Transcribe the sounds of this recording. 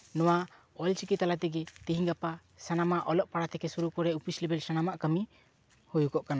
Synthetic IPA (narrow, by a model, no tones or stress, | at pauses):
nɔwa | ɔlt͡ʃikit̪ːalat̪ɛɡɛt̪iɦiŋɡapa | sanamaʔɔlɔʔpaɽat̪ɛkɛsuɾukɔɾɛupislɛbɛlsanamaʔkəmi | hujukɔʔkana